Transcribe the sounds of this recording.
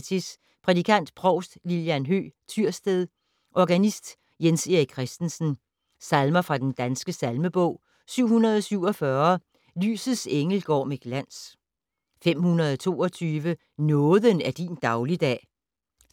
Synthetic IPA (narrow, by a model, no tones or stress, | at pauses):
t͡sʰis | pʰʁɛd̥ikʰæn̰d̥pʰʁɒ̽ʊsd̥liljænɦø̰ːt͡sʰyɐ̰sd̥eðˠ | ʔɒɡ̥ænisd̥ | jenseʁiɡ̚kʰːʁɛsd̥n̩sn̩ | sælmɐfʁɑ̈d̥end̥ænsɡ̥əsælməb̥ɔ̽ʊ̰ | syʊ̰hunɐð̞ˠɒ̽syʊ̰ɒ̽fɶɐ | ly̰ːsð̩ˠseŋl̩ɡ̥ɒ̰ːmeɡ̥læn̰s | fem̰hunɐð̞ˠɒt͡sʰo̝̰ːɒ̽t͡sʰyːʋə | nɔ̽ːðˠənæɐd̥ind̥ɑ̈ʊlid̥ɛ̰ː